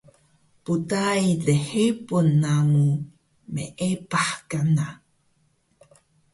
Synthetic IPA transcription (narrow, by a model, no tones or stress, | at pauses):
putajdeħepunːaŋu | mḛʔepaħkana